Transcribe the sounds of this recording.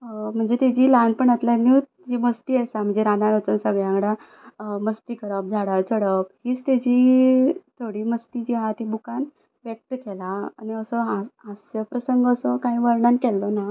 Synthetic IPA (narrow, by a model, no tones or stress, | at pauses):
m̤əɳd͡zet̪ed͡ʑiːlanpəɳət̪ljanit̪ | d͡ʑiməst̪iːəsam̤əɳd͡zeɾanaɾət͡sənsəɡɭjãŋɡɽa | məst̪iːkəɽəp̚d͡zʱaɽət͡səɽəphiːt͡st̪ad͡ʑiːt̪ʰoɽiːməst̪id͡ʑiɦat̪ibukan | ʋjek̚t̪əkɛlaa̰niəsɔaasjəpɾəsəŋɡəsɔkãɦĩːʋəɾɳankɛlːona